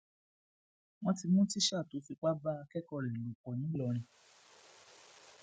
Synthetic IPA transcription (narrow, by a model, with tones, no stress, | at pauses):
w̃ɔ̃˦ti˧mũ˦ti˦ʃa˦˨to˨˦fi˧k͡pa˦ba˦a˧kɛ˦kɔ˦˨lɛ˨lu˨k͡pɔ˨nĩ˨˦lɔ˧ɾ̃ĩ˧